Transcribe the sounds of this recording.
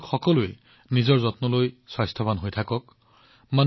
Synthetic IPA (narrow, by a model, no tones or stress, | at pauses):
kxɔkɔlue | nizɔɹzɔtnɔlojswajstʰɔbanɦojtʰakɔk̚ | man